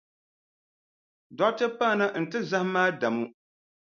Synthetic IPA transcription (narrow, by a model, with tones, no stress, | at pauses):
dɔ˦tɨ˦paː˦˨na˦n̩˨tɨ˦za˦hmaː˦da˨mu˦